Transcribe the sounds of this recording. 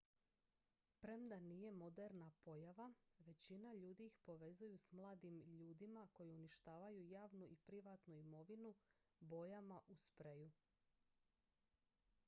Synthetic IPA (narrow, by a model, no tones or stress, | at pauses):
pɾe̞md̪anije̞mo̞d̪eɾnapo̞jaʋaʋe̞t͡ɕinaʎuːd̪iixpo̞ʋe̞zujusmlˠaːd̪imʎuːd̪imako̞jiuniʃt̪aːʋajujaːʋnuʔipɾiʋat̪nuimo̞ʋinu | bo̞jamaʔuspɾeju